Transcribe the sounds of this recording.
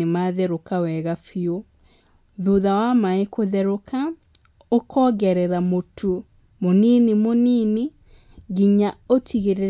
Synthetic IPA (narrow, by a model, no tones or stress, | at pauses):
emaðɛɾokawɛɣafio | ðuðawamaekoðɛɾoka | okʰɔɣɛɾɛɾamotʰu | moninimoniːne | ɣiɲaotʰiɣeɾe